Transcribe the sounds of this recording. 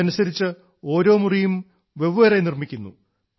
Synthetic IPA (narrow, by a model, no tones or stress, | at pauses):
ɐnusɐɾit͡ɕːɨ | o̞ːɾo̞ːmurijum | ʋe̞ʋɨʋɐɾɐjnirmikʲːunːṵ